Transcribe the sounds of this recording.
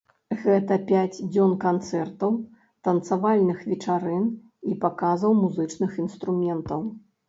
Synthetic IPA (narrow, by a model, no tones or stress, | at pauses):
ɣɛt̪ɐpʲat͡sʲd͡zʲɔnkant̪sɛrt̪ɐw | t̪ɐnt̪savalʲnɨxvʲɛt͡ʂaɾɨn | ipakazɐwmuzɨt͡ʂnɨxinst̪ɾumʲɛnt̪ɐw